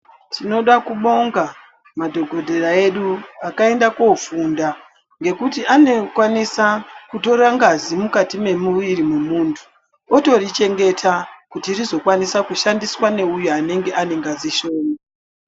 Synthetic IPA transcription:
tʰino̞ɗakuɓo̞ŋɡa | madʱo̞ɡʱo̞dʱe̞rae̞ɗuakae̞ndako̞funda | ŋɡe̞kutiʔane̞kwanisakuto̞ɾaŋɡazimukatime̞muʋirimemuːntʰu̥ | oto̞rit͡ʃe̞ŋɡe̞tʰakutiːrizo̞kwanisakuʃandiswane̞ujuane̞ŋɡe̞ʔane̞ŋɡaziʃo̞ːno

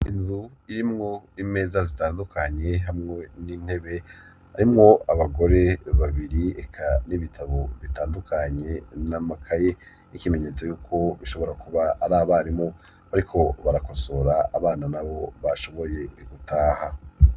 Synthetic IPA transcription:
inzu | iɾimŋo̞ime̞ːzazitaːndukʰaɲe̞ɦamŋe̞niːn̥he̞βe̞ | haɾimŋo̞aβaɡo̞ɾe̞βaβiɾiekʰaniβitʰaβo̞βitaːndukʰaɲe̞namakʰaje | ikime̞ɲe̞t͡so̞juːkʰo̞βiʃo̞βo̞ɾakuβaːɾaːβaːɾimŋo̞ | βaɾikʰo̞βaɾako̞so̞ɾaːβaːnanaβo̞βaʃo̞βo̞je̞ɡ̥utʰaːha

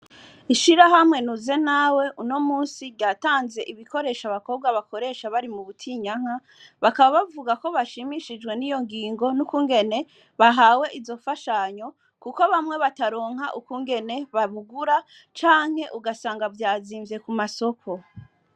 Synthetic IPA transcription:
iʃiɾaɦamŋe̞nuze̞nawe̞ʔuno̞muːnsiβɟaːtaːnze̞ʔiβiko̞ɾe̞ʃaβako̞b̚ɡwaβako̞ɾe̞ʃaβaɾimuβutʰiːɲaŋ̥a | βakaβaβavuɡako̞βaʃimiʃid͡ʒɡwe̞nijo̞ŋɡiːŋɡo̞nukuŋɡe̞ne̞ | βaɦaːwe̞ʔizo̞faʃaɲo̞ | kuko̞βamŋe̞βataɾo̞ːŋ̥aʔukuŋɡe̞ne̞βaβuɡuɾa | t͡ʃaːŋ̥he̞ʔuɡasaːŋɡavjaːziːɱvje̞kumaso̞kʰo̞

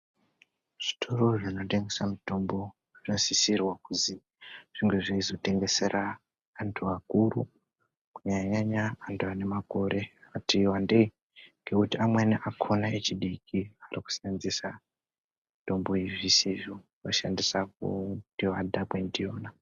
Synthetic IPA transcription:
ʐ̥i̥tʰo̞ro̞ʐinote̞ŋɡe̞samito̞mbo̞ | ʐinosisirwakuzi | ʐ̥iŋɡeʐeizo̞te̞ŋɡe̞se̞rʔaː | ntʰuakuɾu | kuɲaɲaɲaːntʰuane̞mako̞ɾʔe̞atiwande | ŋɡe̞kutiamweneʔakʰonaet͡ʃiɗikʰiariku̥sanzisa | mito̞mboiʐisiʐo | woʃandisakṵdioadʱakwendijoːna

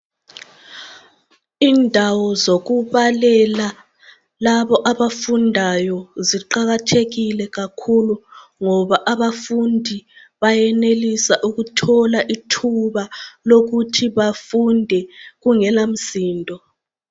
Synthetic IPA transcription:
indʱawɔzoɣuβalɛla | laβɔʔaβafundʱajɔziǃaɣatʰeɣilɛɣakʰuluŋɔβaʔaβafundʱi | βajɛnelisaʔuɣutʰɔlaʔitʰuβaloɣutʰiβafundʱɛɣuŋɛlam̩siːndʱɔ

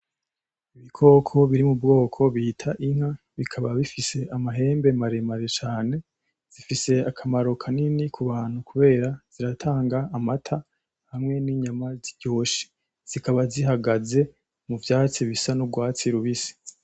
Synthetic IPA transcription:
iβikʰo̞ːkʰo̞βiɾimubɡo̞ːkʰo̞βihitʰaʔiŋ̥ha | βikʰaβaβifise̞ʔamaɦe̞ːmbe̞maɾe̞maɾet͡ʃaːne̞ | z̥ifise̞akʰamaɾo̞kʰaninikʰuβaːn̥hukuβe̞ːɾaz̥iɾatʰaːŋɡaːmatʰa | hamŋwe̞niɲamaziɟo̞ːʃi̥ | z̥ikaβaziɦaɡaze̞ | muvjaːt͡siβisanuɡwaːt͡siɾuβisi̥

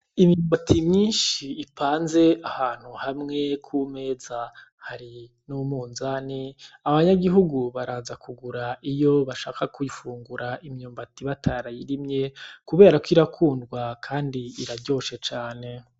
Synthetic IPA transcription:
imɲuːmbatʰimɲiːnʃiːpʰaːnze̞ahaːn̥huhamŋe̞kʰume̞ːza | haɾi | numuːnzaniaβaɲaɡiɦuɡuβaɾaːnzakʰuɡuɾaijo̞βaʃaːkakujifuːŋɡuɾaʔimɲuːmbatiβatʰaɾajiɾimɲe̞kuβe̞ːɾakwiɾakʰuːndɡwakʰaːndiiɾaɟo̞ːʃe̞t͡ʃaːne̞

